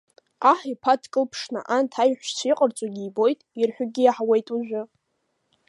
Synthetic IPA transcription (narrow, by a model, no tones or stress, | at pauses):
aħipʰatʰkʼɨlpʰʂna̰ʔantʰajħʷᶣsʷʰiqʼərt͡sʷʼaɡʲiːbo̞jtʼirħᶣʊɡʲijaħwe̞jtʼuʒʷᶣʊ